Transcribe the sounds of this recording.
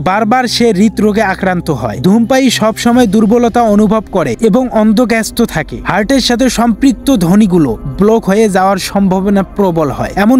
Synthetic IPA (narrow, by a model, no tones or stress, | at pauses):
baɾbaɾʃeɾit̪ɾoɡeakɾant̪oɦɔ̰ed̪ʱumpajʃɔbʃɔmɔed̪uɾbolot̪aonubʱobkoɾeeboŋɔnd̪ʱoɡɛst̪ot̪ʰakḛhaɾʈeɾʃat̪ʰeʃɔmpɾit̪ːod̪ʱoniɡuloblokɦojed͡ʑaoaɾʃɔmbʱobonapɾobolɦɔ̰eɛmon